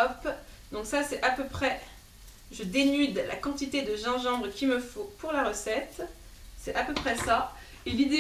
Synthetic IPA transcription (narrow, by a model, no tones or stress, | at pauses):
ɔpd̪ɔ̃ksasɛt̪apøpχɛ | ʒəd̪enyd̪la̰kɑ̃t̪it̪ed̪əʒɑ̃ʒɑ̃bʁəkʲiməfõpuʁlaʁəsɛt̪ | sɛt̪apøpχɛsa | elid̪e